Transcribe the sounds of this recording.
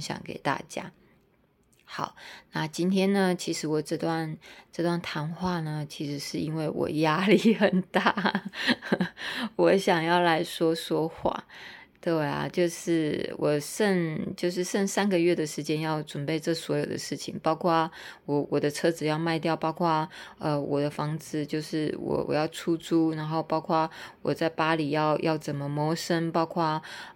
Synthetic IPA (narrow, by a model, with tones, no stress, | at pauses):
ɕjɑ̰˨˩ŋkḛ˨˩ɪt̪a̰˥˩t͡ɕja̰˥ | xɑ˨˩˦ʊna˥˧t͡ɕi˥nt̪ʰjɛ˥nnə˨t͡ɕʰi˧˥ʂɻ̩˧˥wɔ˨˩ʈ͡ʂɤ˥˧t̪wa˥˩nʈ͡ʂɤ˥˧t̪wa˥˩nt̪ʰa˧˥nxwa˥˩nə˩t͡ɕʰi˧˥ʂɻ̩˧˥ʂɻ̩˥˩i˥nwe˥˩ɪwɔ̰˨˩ja˥li˥˩xə˨˩nt̪a˥˩ | wɔ˧˥ɕjɑ˨˩ŋjɑ˥˩ʊla˧˥ɪʂwɔ˥ʂwɔ˥xwa̰˥˩ | t̪we˥˩ɪa̰˩t͡ɕjo˥˧ʊʂɻ̩˥˩wʔɔ̰˨˩ʂə˥˧ŋt͡ɕjo˥˧ʊʂ̬ɻ̩˥˧ʂə˥˧˩ŋsa˥nɡə˨ɥɛ˥˩d̪ə˩ʂɻ̩˧˥t͡ɕjɛ˥njɑ˥˩ʊʈ͡ʂwnpe˥ɪʈ͡ʂɤ˥˩swɔ˧˥jo˨ʊd̪ə̰˦ʂɻ̩˥˩t͡ɕʰḭ˨˦ŋpɑ˥ʊkʰwa˥˩wɔ˧˩wʔɔ˨˩d̪ə˦ʈ͡ʂʰɤ˥d͡zɹ̩˩˦jɑ˥˧ʊma˥˧ɪt̪jɑ˥˩ʊpɑ˥ʊkʰwa˥˩ə˧wɔ˨˩d̪ə˦fɑ˥ŋt͡sɹ̩˥t͡ɕjo˥˧ʊʂɻ̩˥˩wɔ̰˨˩wɔ̰˨˩jɑ˥˩ʊʈ͡ʂʰu˥t͡su˥na˧˥nxo˥˩ʊpɑ˥ʊkʰwa˥˩wɔ˨˩t͡sa˥˩ɪpa˥li˨˩jɑ˥˧ʊjʔɑ˥˩ʊt͡sə˨˩nmə˦mwɔ˧˥ʂə˥ŋpɑ˥ʊkʰwa˥˩